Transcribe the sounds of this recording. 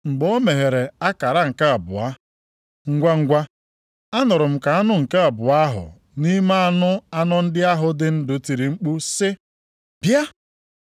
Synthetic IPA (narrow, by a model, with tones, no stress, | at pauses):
ŋ͡m̩˨ɡ͡bɔ˦me˨ɦe˨ɾe˨a˦ka˨ɾa˦ŋ̩˨ka˦a˨bʊ̰˨a˦ | ŋ̩˦ɡʷa˦ŋ̩˦ɡʷa˦ | a˦nʊ˨ɾʊ˨m̩˨ka˨a˦nʊ˦ŋ̩˨ke˦a˨bʊ˨a˦ɦʊ̰˨ | ni˦ma˦a˦nʊ˦a˦nɔ˦n̩˦dɪ˦a˦ɦʊ˨dɪ˦n̩˦dʊ˨ti˨ɾi˨ŋ͡m̩˦k͡pu˦sɪ˦ | b̥ja˦